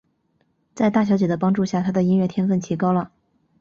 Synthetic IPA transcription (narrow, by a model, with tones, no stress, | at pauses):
t͡sa˥˧ɪt̪a˥˩ɕjɑ˧˥ʊt͡ɕɛ˨˩d̪ə˦˩pɑ˥ŋʈ͡ʂu˥˧ɕja˥˩t̪ʰa˥d̪ə˨i˥ŋɥɛ˥˩t̪ʰjɛ˥nfə˥˩nt͡ɕʰi˧˥kɑ˥ʊlə˨